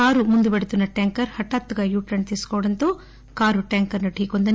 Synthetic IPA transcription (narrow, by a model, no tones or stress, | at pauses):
aːɾumund̪ubeɽut̪unːɐʈaːŋkɐɾhɐʈːaːt̪ːuɡɐjuːʈɾɐɳt̪iskoːɽɐnt̪oː | kaːɾuʈjaːŋkɐɾnɐʈiːkond̪ɐ